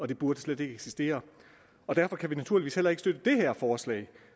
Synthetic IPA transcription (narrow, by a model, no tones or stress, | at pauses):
ɒ̽d̥e̝b̥uɐd̥əsled̥e̝ɡ̥əeɡ̥sisd̥e̝̰ːɐ | ɒ̽d̥æɐfɒ̽kʰæʋinæt͡sʰuɐlʋḭːshelɐeɡ̥sd̥ød̥əd̥e̝ɦæɐ̰fɒːslɛ̰ːɪ